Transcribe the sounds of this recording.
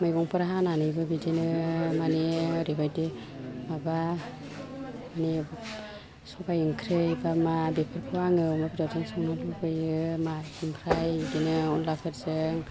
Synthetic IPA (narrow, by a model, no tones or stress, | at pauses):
majɡɔŋpʰɯɾaɦananɯjbɯbidenɯmaneɾibajde | maba | mane | sɔpajɯŋkʰɾɯjbamabepʰiɾpʰɯaŋɯmabadazɯŋsɔŋnalubɯjɯmaiŋpʰɾajidenɯɔnlakʰɯɾzɯŋ